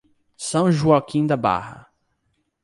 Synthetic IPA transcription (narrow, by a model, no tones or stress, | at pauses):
sɐ̃w̃ʒuakĩd̪ɐba̰hɐ̰